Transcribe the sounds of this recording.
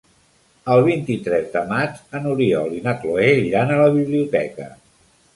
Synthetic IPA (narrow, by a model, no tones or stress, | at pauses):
əlˠβ̞int̪it̪ɾɛzd̪əmad͡ʒənuɾiɔ̰linakloeʎanələβiβliut̪ɛkə